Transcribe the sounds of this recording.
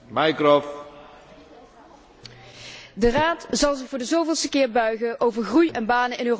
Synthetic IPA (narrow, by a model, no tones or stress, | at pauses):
majkrɔf | dəraːtz̥ɑlˠzɪxvʊːɹdəzowvɪlˠstəkɪːɹbœɥɣəʔowvəɹχrujɛnbaːnəɪnøːr